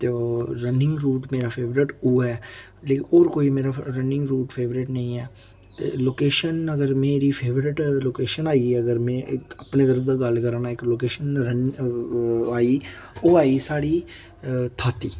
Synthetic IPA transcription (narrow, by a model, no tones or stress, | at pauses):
t̪eoːɾənɪ̃ŋɡɾuːʈmeːɾaːpʰeːʋɾɪʈoːɛː | leːkoːɾkoːiːmeːɾaɾənɪ̃ŋɡɾuːʈpʰeːʋɾɪʈnə̃ĩːɛː | t̪ḛːloːkeːʃənəɡəɾmeːɾiːpʰeːʋɾɪʈloːkeːʃənaːiəɡəɾmɛ̃ːʔkəpneːd̪əɾəbd̪aːɡəlkəɾanaːɪkloːkeːʃənɾən | aːiːoːaːiːsaːɽiː | t̪ʰaːt̪iː